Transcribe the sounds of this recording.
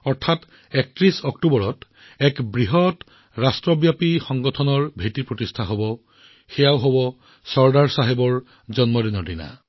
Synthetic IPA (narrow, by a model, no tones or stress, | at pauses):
ɔɹtʰat | ɛk̚tɹisɔktubɔɹɔt | ɛkbɹiɦɔt | ɹastɹɔbjapixɔŋɡɔtʰɔnɔɹbʱetiɹpɹotistʰaɦobɔ | xɛjaoɦobɔ | sɔɹdaɹsaɦebɔɹ | zɔnmɔdinɔdina̰